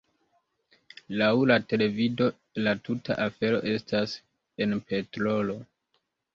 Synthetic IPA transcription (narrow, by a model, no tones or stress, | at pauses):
lawlate̞le̞vido̞ | latuta̰ʔafe̞ɾo̞̰ʔe̞stas | e̞npe̞tɾo̞lo̞